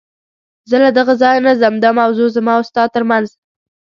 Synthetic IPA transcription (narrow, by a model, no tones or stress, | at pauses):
zəlad̪aɣazɑjnazamd̪amawzozamɑʊst̪ɑd̪̚t̪əɾmanz